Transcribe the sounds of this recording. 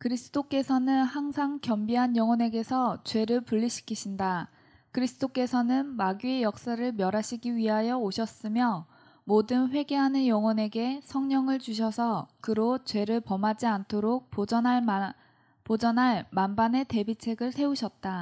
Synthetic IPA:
kɯɾisʰɯ̥d͈ʰok͈e̞sʰʌnɯnhaŋsʰaŋkjʌmbiɦanjʌŋwʌne̞ɡe̞sʰʌt͡ɕwe̞ɾɯɭpuʎːiɕʰi̥kʰiɕʰinda | kɯɾisʰɯd͈ok͈e̞sʰʌnɯnmaɡiejʌk̚s͈aɾɯɭmjʌɾaɕʰiɡiɥiɦajʌoɕʰʌs͈ɯmjʌ | modɯnɸwe̞ɡe̞ɦanɯnjʌŋwʌne̞ɡe̞sʰʌŋɲʌŋɯɭt͡ɕuɕ̬ʰʌsʰʌkɯɾot͡ɕwe̞ɾɯɭpʌmad͡ʑiantʰoɾok̚pd͡ʑʌna | pod͡ʑʌnaɭmanbane̞te̞bit͡ɕʰe̞ɡɯɭsʰe̞uɕʰʌt̚t͈a

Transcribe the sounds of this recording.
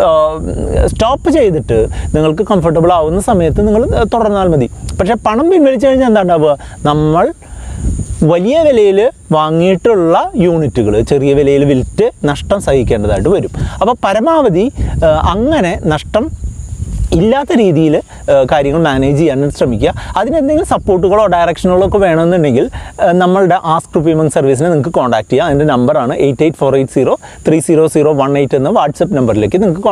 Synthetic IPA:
stoːpːɨt͡ɕe̞jt̪iʈːɨniŋːɐɭkɨkɐmfɐʈ̬ːɐbɨɭaːʋunːɐsɐmɐjɐt̪ːɨniŋːɐɭt̪uɽɐrnːaːlmɐd̪ipɐkʂe̞ːpɐɳɐmpinʋɐlit͡ɕːɨkɐɻiɲːɐend̪aːɳɖɐɐʋɨnɐmːɐɭ | ʋɐlijɐʋilɐjilʋaːŋːijiʈːuɭːɐjuːɳitːuɣɐɭɨt͡ɕerijɐʋilɐjilʋiltːɨnɐʂʈɐmsɐhhikʲːe̞ːɳɖɐðaːjiʈ̬ːɨʋɐɾumɐpːoːpɐɾɐmaːʋɐðiɐŋːɐne̞nɐʂʈɐm | ilːaːt̪ːɐɾiːðijil | kaːɾjɐŋːɐɭmaːneːd͡ʑijaːneɕrɐmikʲːɐɐðinend̪e̞ŋɡilsɐpːo̞ːʈ̬ːuɣɐɭo̞ːɖɐjrɐkʂɐnuɣɐɭo̞kːeʋe̞ːɳɐmenːuɳɖeŋɡilnɐmːɐɭɨɽe̞ʔaːskrupimɐŋsɐrʋis̬inɨniŋɐkːɨko̞ːɳɖaːk̚tːijaɐðinde̞nɐmbɐraːɳɨʔejtːeːjʈːfo̞ːrejʈːsiːro̞ː | t̪riːsiːɾo̞ːsiːro̞ːʋɐɳe̞jtːenːɨʋaːrʈsɐpːnɐmbɐrile̞ːkːɨniŋukːɨko

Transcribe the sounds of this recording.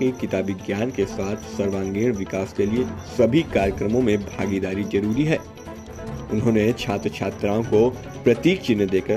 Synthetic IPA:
ekɪt̪aːbɪɡjaːnkesaːt̪ʰsɐɾʋãːŋɡeːɽ̃ʋɪkaːskeliesɐbʱikaːɾjəkɾəmõmẽbʱaːɡid̪aːɾizɐɾuːɾiɦɛː | ʊnɦõːnet͡ʃʰaːt̪ɾət͡ʃʰaːt̪ɾaːõko | pɾɐt̪iːk̚t͡ʃɪnːəd̪eːkə

